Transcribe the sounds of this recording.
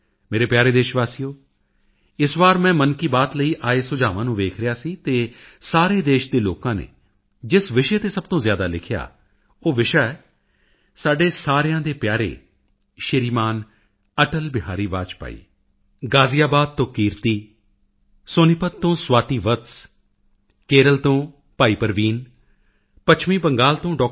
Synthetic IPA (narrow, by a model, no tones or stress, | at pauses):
meːɾeːpjaːɾeːd̪eːʃʋaːsijoː | ɪsʋaːɾmɛ̃ːmənkiːbaːt̪ləiːʔaːeːsʊd͡ʒaːʋãːnũːʋeːkʰɾɪjaːsiːt̪eːsaːɾeːd̪eːʃd̪eːloːkãːnḛː | d͡ʒɪsʋɪʃeːt̪eːsəb̚t̪õːzjaːd̪aːlɪkʰja̰ː | oːʋɪʃaɛ | saːɖeːsaːɾɪjãːd̪eːpjaːɾḛː | ʃɪɾiːmaːn | əʈəlbɪɦaːɾiːʋaːt͡ʃpa̰ːḭː | ɡaːzijaːbaːd̪̚t̪õːkiːɾt̪iː | sonɪpət̪t̪ːõːswaːt̪iːʋət̪s | keːɾəlt̪õː | paːiːpəɾʋiːn | pət͡ʃʰmiːbəŋɡaːlt̪õːɖɔː